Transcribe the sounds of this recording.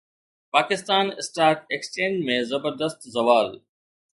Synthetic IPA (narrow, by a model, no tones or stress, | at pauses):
paːkɪst̪aːnɪsʈaːɾʈekst͡ʃẽːnd͡ʒmẽzɐbəɾd̪əst̪zɐʋaːl